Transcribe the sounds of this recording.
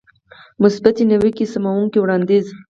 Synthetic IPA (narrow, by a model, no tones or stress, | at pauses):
mʊsbat̪inawikisamawuŋkiwɽɑnd̪iz